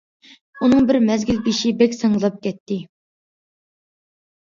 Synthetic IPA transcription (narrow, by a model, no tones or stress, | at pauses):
unɨŋbɪɾmɛzɡʲilbiʃibɛkʲsəŋəlˠɑp̚kʲɛt̪ʰːɪ